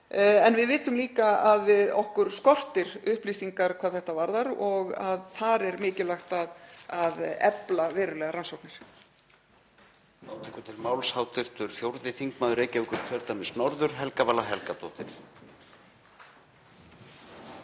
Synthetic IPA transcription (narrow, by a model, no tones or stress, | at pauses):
ɛnvɪðvɪːt̪ʏmliːkaaðvɪðɔ̰hkʏɾ̥skɔr̥t̪ɪɾʏhpliːsiŋkaɾ̥kʰvaːðθɛht̪avaɾðaɾɔɣa̰ðθaɾɛɾmɪːcɪlaxt̪aðaðɛ̰plavɛːɾʏlɛːɣaɾansɔwknɪɾ̥ | aːwt̪ʰɛkʏt̪ʰɪlmaːwlshaːwt̪ɪɾ̥t̪ʏɾ̥fjowɾðɪθiŋkmaːðʏɾeːjcaʏkʏɾ̥t̪ʰœɾt̪amɪsnɔɾðʏɾ̥ɦɛlkavaːlaɦɛlkat̪ʰɔːht̪ɪ̰ɾ̥